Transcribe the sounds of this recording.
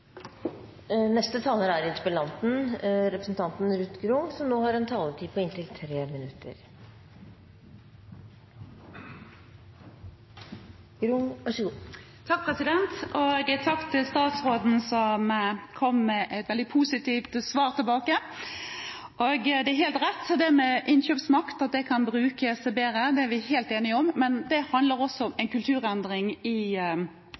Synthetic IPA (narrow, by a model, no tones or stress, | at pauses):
nɛst̪ət̪ʰɑːləɾæɾɪt̪ʰpəlɑnt̪n̩ɾɛpɾəsn̩t̪ʰɑnt̪n̩ɾʉt̪ɡɾʊŋsɔmnoːhɑɾɛnt̪ʰɑːləʈ̪ʰiːpʰɔɪnt̪ʰɪlt̪ʰɾeːmɪnʉt̪ə̰ɾ | ɡ̥ɾʊŋʋɑʂəɡuː | t̪ʰɑk̚pʰʁɛsɪd̪ɛnt̪ʔoːɡət̪ʰɑkt̪ʰɪlst̪ɑːt̪sʁoːd̪n̩sɔmkʰɔmːɛʔɛt̪ʋɛld̪ɪpʰuːsɪt̪iːft̪sʋɑːɾt̪ʰɪlbɑːkə | ʔoɡd̪ɛæɾɦeːlt̪ɾɛt̪ːɔd̪ɛæɾmɛʔɪnçøːpsmɑkt̪ɑt̪̚d̪ɛkʰɑnbɾʉːkəsbeːɾəd̪ɛæɾʋɪheːlt̪eːnɪɔmːɛnd̪ɛhɑnd̪ləɾɔsɔɔmɛnkʰʉlt̪ʰʉːɾɛnd̪ʁɪŋɪ